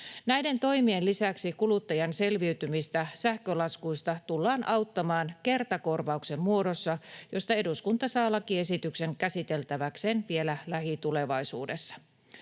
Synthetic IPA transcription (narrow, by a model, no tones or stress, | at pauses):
næjde̞nt̪o̞jmie̞nlisæksikulut̪ːɑjɑnse̞lʋiyt̪ymist̪æsæhkølɑskuist̪ɑt̪ulːɑːnʔɑwt̪ːɑmɑːnke̞rt̪ɑko̞rʋɑukse̞mmuo̞do̞sːɑjo̞st̪ɑe̞duskunt̪ɑsɑːlɑkie̞sit̪ykse̞ŋkæsit̪e̞lt̪æʋækseːnʋie̞lælæhit̪ule̞ʋɑisuːde̞sːɑ̥